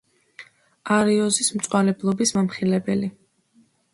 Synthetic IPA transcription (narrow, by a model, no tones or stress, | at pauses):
aɾiɔzismt̪sʼwalɛblˠɔbismamχilɛbɛli